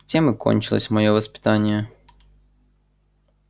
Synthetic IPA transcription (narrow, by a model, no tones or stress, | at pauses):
t͡sʲɛmɪkɔ̰nʲt͡ʃɪlˠɔ̰sʲmɔjɔʋɐspʲɪ̥t̪ɑnʲːjɐ